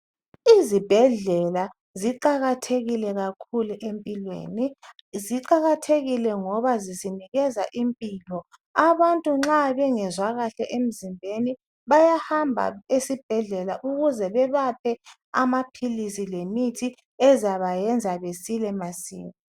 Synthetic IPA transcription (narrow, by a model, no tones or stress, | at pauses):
izib̥ʱɛɮɛla | ziǃaɣatʰeɣilɛɣakʰuluʔempʼilwḛːniziǃaɣatʰeɣilɛŋɔβaziziniɣɛzaʔimpʼilɔ | aβantʼuŋ͡ǁaβɛŋɛzwaɣaɬɛʔem̩zimbʱeni | βajahambʱa̰esib̥̚ʱɛɮɛlaʔuɣuzɛβɛβapʰɛ | a̰mapʰilisilemitʰi | ɛzaβajɛnd͡zʱaβesilɛmasḭːmi